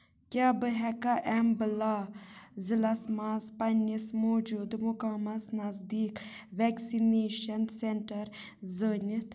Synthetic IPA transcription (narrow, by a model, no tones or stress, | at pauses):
kʲaːbɨɦɛkaʔɛmbɨlaːzilɐsmaːzpɐnismoːd͡ʒuːd̪mukamɐznɐzd̪iːkʋɛːksineːʃɐnseɳʈɐɾ | zəːnit̪ʰ